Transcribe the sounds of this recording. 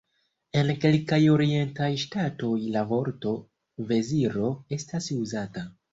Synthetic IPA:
e̞nke̞lkajo̞ɾie̞ntajʃtato̞jlavo̞ɾto̞ | ve̞ziɾo̞e̞stasuzata

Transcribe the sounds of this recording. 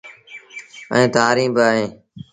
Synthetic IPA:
ə̰ĩːt̪aːɾĩːbɪaːɦẽː

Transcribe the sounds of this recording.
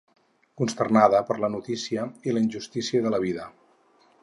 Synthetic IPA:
kunst̪ərnaðəpəɾlənut̪isiəiləinʲʒust̪isiəðələβ̞iðə

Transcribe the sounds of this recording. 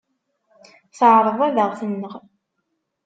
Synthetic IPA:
θəʕɾˤəðˤæðəʁθənːəʁ

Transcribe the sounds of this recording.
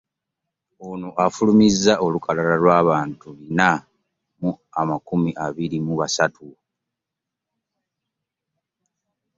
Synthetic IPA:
onuʔafulumizːaʔo̞lukʰalalalwaːβaːntulina | muamakumiʔaβiɾimuβasatʰu

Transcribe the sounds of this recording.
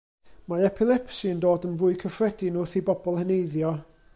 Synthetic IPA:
maɛpʰɪlˠɛpsiəndoːdənvʊːɨkʰəfrɛdinʊθibɔbɔlˠhənejðjɔ

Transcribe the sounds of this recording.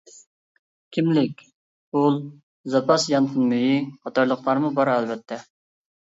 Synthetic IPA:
kʲʰimlɪkʲ | ulˠ | zɑpʰɑsjɑnt̪ʰɨnmyjiχɑt̪ɑɾlˠəqlˠɑɾmubɑɾɛlbɛt̪ʰːɛ

